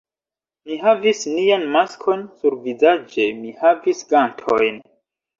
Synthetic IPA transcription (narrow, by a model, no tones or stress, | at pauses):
miɦavisnijanmaskʰo̞nsuɾvizad͡ʒe̞mihavisɡantʰo̞̰jn